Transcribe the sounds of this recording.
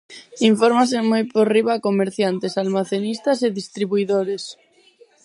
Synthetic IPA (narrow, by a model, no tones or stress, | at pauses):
iɱfoɾmas̬emojporiβakomeɾθjant̪esalmaθenist̪aseðist̪ɾiβuiðoɾes